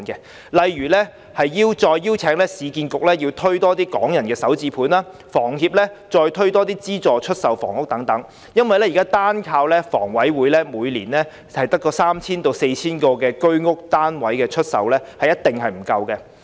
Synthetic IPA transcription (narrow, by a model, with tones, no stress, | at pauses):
nkɛ˧ | lɐ˨jɥyː˨˩lɛ˥ | hɐ˨jːiː˧wt͡sɔː˧jːiː˥wt͡sʰɛː˨˥ŋlɛː˥siː˨˧kiː˧nkʊ˨k̚lɛː˥jiː˧wt̪ʰɵ˥ɥt̪ɔː˥t̪iː˥kɔ̰ː˨˥ŋjɐ˨˩nkɛː˧sɐ˨˥wt͡siː˧pʰuː˨˥naː˥ | fɔː˨˩ŋɦiː˧p̚lɛː˥t͡sɔː˧jt̪ʰɵ˥ɥt̪ɔː˥t̪̬iː˥t͡siː˥t͡sɔː˨t͡ʃʰɵ˥t̚sɐ˨wfɔ̰ː˨˩ŋʊ˥k̚t̪ɐ˨˥ŋt̪ɐ˨˥ŋ | jɐ˥nwɐ˨jlɛ˥jkaː˥t̪aː˥nkʰaː˧wlɛː˥fɔ̰ː˨˩ŋwɐ˨˥jwuː˨˥jlɛː˥muː˨˧jliː˨˩nlɛ˥ | hɐ˨jt̪ɐ˥kːɔː˧saː˥mt͡sʰiː˥nt̪o˧wse˧jt͡sʰiː˥nkɔː˧kɛː˧kɵ˥ɥŋʊ˥k̚t̪aː˥nwɐ˨˥jkɛː˧t͡ʃʰɵ˥t̚sɐ̰˨wlɛː˥hɐ˨jːɐ˥t̪̚ɪ˨ŋɦɐ˨jm̩˨˩kɐ˧wkɛ˧